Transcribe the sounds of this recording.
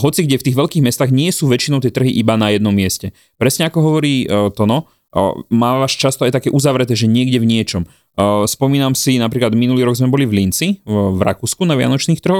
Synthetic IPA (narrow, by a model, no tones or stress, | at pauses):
ɦɔt͡siɡɟɛft̪iːɣʋɛʎkiːɣmɛst̪aːɣɲɪɛsuːʋɛt͡ʃinɔʊt̪̬ɪɛt̪r̩ɦiʔibanajɛd̪nɔmːɪɛscɛ | pɾɛsɲɛakɔɦɔʋɔɾiːt̪ɔnɔ | maːʋaːʃt͡ʃast̪ɔajt̪akɛːʔuzaʋɾɛt̪ɛːʒɛɲɪɛɡɟɛvɲɪɛt͡ʃɔm | spɔmiːnamsinap̬ɾiːklad̪minuliːɾɔɡzmɛbɔlivlint͡siʋɾa̰kuːskunaʋɪa̰nɔt͡ʃniːxt̪rɦɔx